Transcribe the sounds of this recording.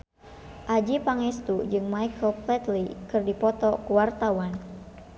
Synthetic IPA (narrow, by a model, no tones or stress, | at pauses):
ʔad͡ʒipaŋɛst̪ud͡ʒɨŋmajkʰəlplɛt̪likɨrdipɔt̪ɔkuwart̪awan